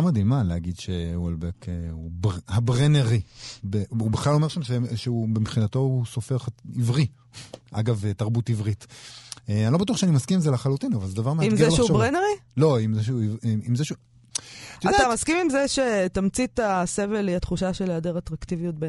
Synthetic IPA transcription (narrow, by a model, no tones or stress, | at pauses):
amad̪imaleaɡid̪ʃewolbekeubhabʁeneʁibeubeχlalo̞me̞ʃamʃeʃeubemχinato̞usofeʁχivʁi | ʔa̰ɡavetaʁbutivʁiteanilobat̬uaχʃeanimaskimmzelaχalut̪inavalzed̪avaʁmeaidmzielʃeubʁeneʁilo̞imzeʃ̬euivmimzeʃu | adtamaskimimzeʃet̪amt͡sit̪aseveliat̪χuʃaʃeleadeʁat̪ʁakt̪ivijut̪̚ben